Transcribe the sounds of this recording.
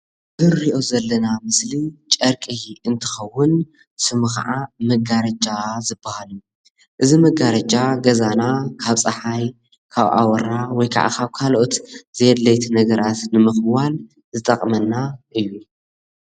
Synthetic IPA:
zɨɾiʔo̞zɐlːɐnamɨslit͡ʃʼɐɾkʼiɨnt̪ʰɨ̥xɐwːʊn | sɨmɨxa̰ʕamɐɡaɾɐd͡ʒazɨbːahalju | ʔɨzimɐɡaɾɐd͡ʒaɡɐzanakʰaβsʼɐħaj | kʰaβʔa̰wɐɾawɔjkʰa̰ʕa̰kʰaβkʰalʔot̪z̥ijɛd̪lɐjt̪ʰnɐɡɐɾat̪nɨmɨxwal | zɨt̪ʼɐkʼmɐnːaʔɨjːu

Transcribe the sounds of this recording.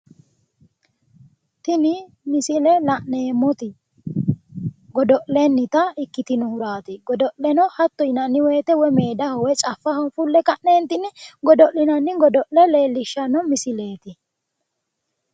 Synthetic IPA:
t̪ɪnɪ | mɪsɪlɛlɐʔne̞ːmːɔt̪ɪ | ɡɔd̪ɔʔlɛnːɪt̪ɐɪkːɪt̪ɪnʊhʊɾaːt̪ɪɡɔd̪ɔʔɛnɔhɐt̪ːɔjnɐnːɪwɛːt̪ɛwɔmeːd̪ɐhɔwɛt͡ʃʼɐfːɐhɔfʊlːɛkɐʔneːnt̪ɪnɪɡɔd̪ɔʔlɪnɐnːɪɡɔd̪ɔʔlɛleːlːɪʃːɐnɔmɪsɪle̞ːt̪ɪ

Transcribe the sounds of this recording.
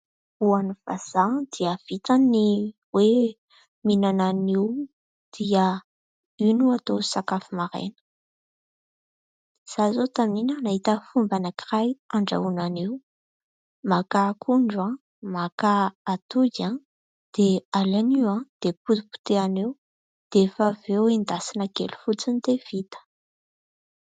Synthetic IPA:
uaniv̥a̰z̥ad̪̥iəv̥it̪ani | we | minananiw | d̪̥iə | ynuat̪osakafimaɾḛnə̥ | z̥azot̪aminənaɦit̪əfumbanakirajaɳɖ͡ʐa̰unaniw | makakʰuɳɖ͡ʐã | makaat̪uɡa | d̪̥ealaniwãd̪̥epupu̥t̪eaniw | d̪̥efəvewind̪asinakḛlu̥fut͡sinit̪ev̥it̪ə̥

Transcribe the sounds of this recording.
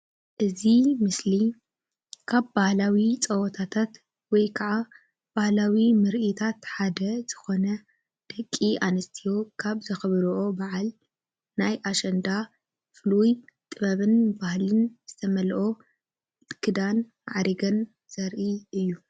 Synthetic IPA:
ʔɨzimɨsli | kʰabbahlawit͡sʼɐwɔt̪ʰat̪ʰat̪ | wɔjkʰaʕa | b̥ahlawimɨɾʔit̪ʰat̪ħad̪ɐz̥ɨxo̞nɐ | d̪̥ɐkʼːiʔanɐst̪ʰijo̞kʰaβzɐxɨβɾʔobaʕal | najʔaʃɐnd̪a | fɨlujt̪ʼɨβɐβɨnbahlɨnz̥ɨt̪ʰɐmɐlʔo̞ | t̪ɨ̥kʰːɨd̪an | aʕaɾiɡɐn | z̥ɐɾʔiɨjːu

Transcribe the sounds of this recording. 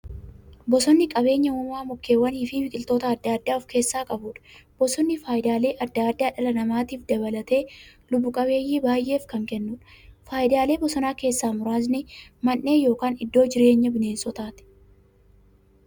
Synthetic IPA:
bɔsɔnːɪkʼɐbe̞ːɲːɐʊmaːmʊkːe̞ːwːɐniːfɪbɪkʼɪlt̪o̞ːt̪ɐɐd̪ːaːd̪ːaːɔfke̞ːsːaːkʼɐbuːᶑɐ̥b̥ɔsɔnːɪfaːjɪd̪aːle̞ːʔɐd̪ːaːd̪ːaːᶑɐlɐnɐmaːt̪iːfd̪ɐβɐlɐt̪e̞ːlʊbːʊkʼɐβe̞ːjːiːbaːjʔe̞ːfkɐŋkɛnːʊːᶑɐ̥faːjɪd̪aːle̞ːbɔsɔnaːke̞ːsːaːmʊɾaːznɪmɐnːe̞ːjo̞ːkaːnɪd̪ːo̞ːd͡ʒɪɾe̞ːɲːɐbɪne̞ːnsɔt̪aːt̪ɛ̥

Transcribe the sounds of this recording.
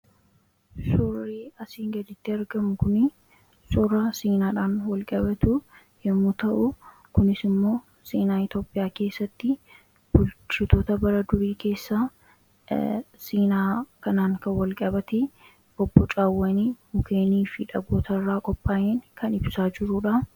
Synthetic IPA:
sʊrːiːɐsiːŋɡɐd̪ɪt̪ːɪɐɾɡɐmʊkʊnɪ | sʊrɐsiːnaːᶑaːnwɐlkʼɐbɐt̪u | jɛmːuːt̪ɐʔʊ | kʊnɪsɪmːo̞ː | seːnaːɪt̪o̞ːpʼːɪjaːke̞ːsːɐt̪ːɪ | b̥ʊlt͡ʃːɪt̪o̞ːt̪ɐbɐɾɐd̪ʊɾiːke̞ːsːaː | siːnaːkɐnaːŋkɐnwɐlkʼɐbɐt̪e | ʔɔbːɔt͡ʃʼaːwːɐniːmʊkʰeːniːfɪᶑɐɡoːt̪ɐrːaːkʼɔpʼːaːʔeːŋkɐnɪbsaːd͡ʒɪɾuːᶑɐ

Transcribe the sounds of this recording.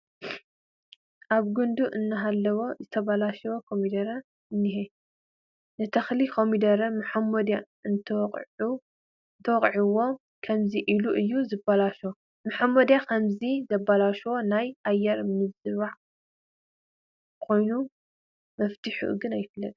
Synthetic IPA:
ʔaβɡund̪uʔɨnːɨɦalːɐwo̞zɨt̪ʰɐβalaʃɐwokʰomid̪ɐɾɐ | ɨnːiɦe | nɨt̪ʰɐxlikʰomid̪ɐɾɐmħmod̪a | ɨnʰʼ | nt̪ʰɐwɔqʼʕiwo | kʰɐmziʔiluʔɨjːuzɨbalaʃo | mɨħamod̪jakʰɐmzizɐbalaʃwo̞najajːɛɾmɨzɨβaʕ | kʰo̞jnu | mɐft̪ʰɨħṵʔɨ̰ɡɨnajɪfɨlːɐt̪ʼ

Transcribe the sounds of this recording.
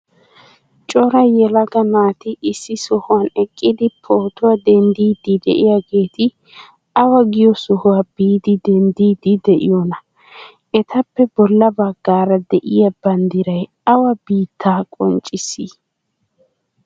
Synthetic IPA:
t͡ʃʼɔɾɐjɛlɐɡɐmaːt̪ɪʔɪsːɪsɔhʊwɐnɛkʼːɪd̪ɪpʰoːt̪ʊwɐd̪ɛnd̪iːd̪ɪd̪ɛ̰ʔɪjaɡe̞ːt̪ɪ | ɐwɐɡɪjɔsɔhʊwabiːd̪ɪd̪ɛnd̪iːd̪ɪd̪ɛʔɪ̰jɔnɐ | ɛt̪ʰɐpːɛbɔlːɐbɐɡːaːɾɐd̪ɛʔɪjɐbɐnd̪ɪɾɐj | ɐwɐbiːt̪ːaːkʼɔnt͡ʃʼɪsi

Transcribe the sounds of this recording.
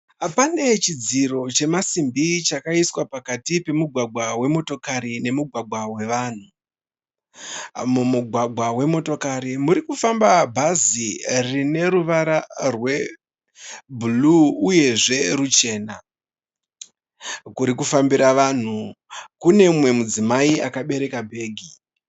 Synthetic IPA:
pane̞t͡ʃid͡ziro̞t͡ʃe̞masimbit͡ʃakaiswapakatipe̞muɡʱwaɡʱwawe̞mo̞to̞kaɾine̞muɡʱwaɡwawe̞ʋaːn̤u | mumuɡʱwaɡʱwawe̞mo̞to̞kaɾimuɾikufambabʱazirine̞ɾuʋaɾarwe̞ | bʱuluuje̞ʐe̞rut͡ʃe̞ːna | kuɾikufambiɾaʋan̤u | kune̞mwe̞mud͡zimaiakaɓe̞ɾe̞kabʱe̞ːɡʱi

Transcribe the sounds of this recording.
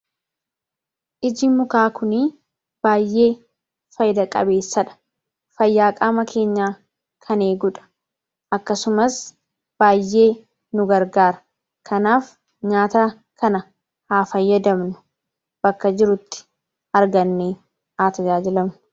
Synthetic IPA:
ʔɪd͡ʒɪmʊkaːkʊniː | b̥aːjːe̞ː | fɐjɪd̪ɐkʼɐ̰be̞ːsːɐᶑɐ̥ | fɐjːaːkʼaːmɐkʰe̞ːɲːaː | kʰɐne̞ːɡʊᶑɐ̥ | ʔɐkːɐsʊmɐs | b̥aːjːe̞ː | nʊɡɐɾɡaːɾɐ̥ | kʰɐnaːf | ɲaːt̪a | kɐnɐ | haːfɐjːɐd̪ɐmnʊ̥ | b̥ɐkːɐd͡ʒɪɾʊt̪ːɪ̥ | ɐɾɡɐnːeː | haːt̪ɐd͡ʒaːd͡ʒɪlɐmnʊ̥

